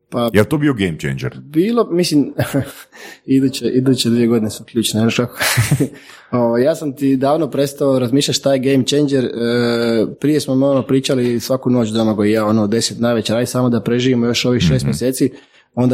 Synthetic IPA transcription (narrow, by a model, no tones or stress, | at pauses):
pajelt̪oːbioɡejmt͡ʃḛnd͡ʒḛɾbiːlˠo̞mislim | id̪uːt͡ɕeʔid̪uːt͡ɕed̪ʋije̞ɡo̞d̪inesmoklʎʲuːt͡ʃneenoʃkako̥ | o̞ʋajjaːsamt̪id̪aːʋnopɾe̞st̪aoɾazmiːʃʎʲaʃt̪aːjeɡejmt͡ʃejnd͡ʒeɾəpɾije̞smomionopɾiːt͡ʃalisʋakuno̞ːt͡ʃd̪omaɡojijaonod̪e̞set̪najʋe̞t͡ɕeɾaːd̪isaːmo̞d̪apɾe̞ʒiʋimojo̞ʃo̞ʋixʃest̪mjeseːt̪si | o̞nd̪a